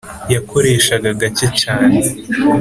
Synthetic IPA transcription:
jakʰo̞ɾe̞ːʃaɡaɡacecaːne

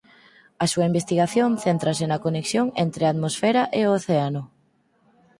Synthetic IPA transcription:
ɐsuaimbest̪iɣaθjonθent̪ɾasenɐkoneksjoŋent̪ɾeat̪mosfɛɾaʔeooθeanʊ

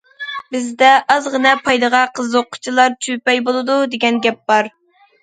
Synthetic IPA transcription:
bɪzd̪ɛʔɑzʁənɛpʰɑjd̪əʁɑqʰəzoqʰːʊ̥t͡ʃʰilˠɑɾt͡ʃʰypɛjbolˠɨd̪ud̪eɡʲɛnɡʲɛp̚bɑɾ

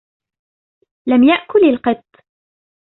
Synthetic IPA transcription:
lamjaʔkʊlɪlqɨt̪ˤː

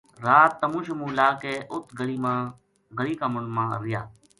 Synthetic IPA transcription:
ɾaːt̪ːəmũːʃəmũːlaːkeːʔʊt̪ʰɡəɽiːmãː | ɡəɽiːkamʊnmãːɾɪja̰ː

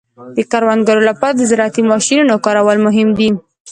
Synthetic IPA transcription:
d̪̥əkaɾwand̪ɡaɾolapɑɾad̪əzɪɾat̪imɑʃinunokɑɾawəlmʊɦɪmd̪i

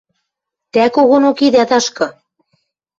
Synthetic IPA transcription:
t̪ækoɣonokid̪æt̪ɑʃkɤ̆

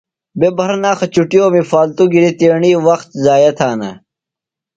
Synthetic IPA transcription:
bebʱɐɾnaːxɐt͡ɕuʈijoːmifaːlt̪uɡiɾit̪eːɳiːwɐxt̪zaːjɐt̪ʰaːnɐ̰

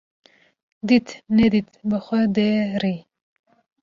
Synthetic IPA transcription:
d̪it̪nɛd̪it̪bəxʷɛd̪eɾi

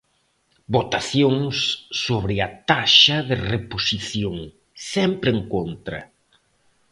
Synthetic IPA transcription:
bot̪aθjoŋsːoβɾɪɐt̪aʃɐðɪreposiθjoŋ | sɛmpɾeŋkont̪ɾɐ̰

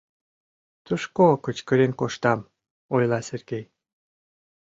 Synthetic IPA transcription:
t̪uʃkokət͡ɕkəɾenkoʃt̪ɑm | ojlɑserɡej

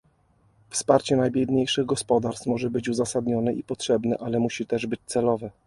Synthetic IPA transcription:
fspaɾt͡ɕɛnajbʲjɛd̪ɲejʂɘɣɡɔspɔd̪aɾst̪mɔʐɛbɘt͡ɕuzasad̪ɲɔnɛʔipɔtʂɛbnɛ̰ʔalɛmuɕit̪ɛʐbɘt͡ɕt̪sɛlɔvɛ

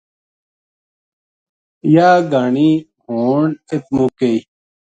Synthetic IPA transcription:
jaːɡaːni | hoːnet̪̚mukei

